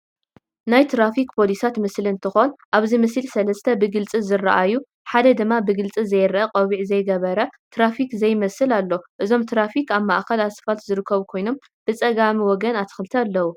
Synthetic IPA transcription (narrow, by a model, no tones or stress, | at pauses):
najt̪ʰɾafikpʰo̞lisat̪mɨslɨnt̪ʰɨxonʔaβzimɨslsɐlɐst̪ʰɐbɨɡɨlt͡sʼizɨra̰ʔaju | ħad̪ɐd̪ɨmːabɨɡɨlt͡sʼizɐjɾʔɐqʼɐβiʕzɐjɡɐβɐɾɐt̪ʰɾafikzɐjmɐsɨlalːo̞ʔɨzo̞mt̪ʰɾafikaβma̰ʔkɐlasɨ̥fat̪zɨɾɨkʰːɐβukʰo̞jno̞m | b̥ɨt͡sʼɐɡamiwɔɡɐnat̪ʰɨ̥xɨlɨt̪ʰɐalːɐwu